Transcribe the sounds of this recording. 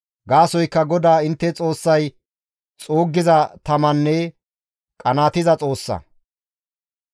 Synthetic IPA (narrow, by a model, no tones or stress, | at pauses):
ɡaːsɔjkːɐɡɔd̪aːɪnt̪ːɛt͡sʼo̞ːsːɐj | t͡sʼoːɡːɪzɐt̪ɐmɐnːɛ | kʼɐnaːt̪ɪzɐt͡sʼo̞ːsːɐ̰